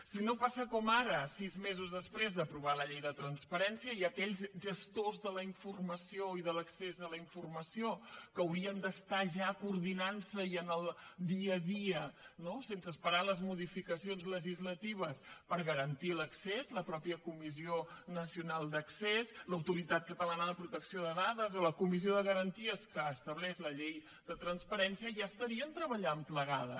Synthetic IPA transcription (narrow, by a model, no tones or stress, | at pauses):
sinopasəkɔmaɾəsizmezuzðəspɾezðəpɾuβ̞aləʎɛjðət̪ɾənspəɾɛnsiəiəkɛʎzʒəst̪ozðələiɱfurməsioiðələksezələiɱfurməsiokəəwɾiənd̪əst̪aʒakːɾðinansəiənəlˠd̪iəðiənosensəspəɾaləzmuðifikəsionzləʒizlət̪iβ̞əspəɾɣəɾənt̪iləksezləpɾɔpiəkumizionəsiunalˠd̪əksezləwt̪uɾit̪at̪̚kət̪əlanəðəpɾut̪əksioðəðaðəzoləkumizioðəɣəɾənt̪iəskəːst̪əβlɛzləʎej | d̪ət̪ɾənspəɾɛnsiəʒaəst̪əɾiənt̪ɾəβəʎampləɣaðə̰